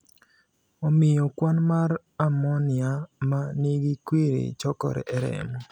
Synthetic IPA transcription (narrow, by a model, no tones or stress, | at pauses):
ɔmɪjɔkwanmaɾ | amɔnɪamaniɡikwiɾḭt͡ʃɔkɔ̰ɾɛ̰ʔɛɾɛ̰mɔ